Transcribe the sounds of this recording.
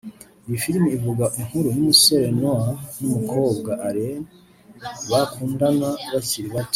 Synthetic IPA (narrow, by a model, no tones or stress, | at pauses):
ijifilmiivuɡaʔiŋ̥huɾumiseɾenwanumuko̞ːbɡaʔaɾen | βakʰuːndanaβasiɾiβat